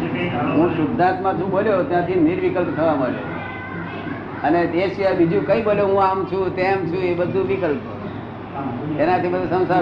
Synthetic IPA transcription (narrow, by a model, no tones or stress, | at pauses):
ɦũsʊd̪ʱːãt̪mãd͡ʒũboljot̪jãt̪ʰiniɾʋikəlpt̪ʰəʋaməɭjo̰ | əneeʃiʋajbid͡ʒũkə̃ĩboljoɦũamt͡ʃʰũt̪emt͡ʃʰũebəd̪ʱũʋikəlpo̰ | enat̪ʰibəd̪ʱusə̃w̃sa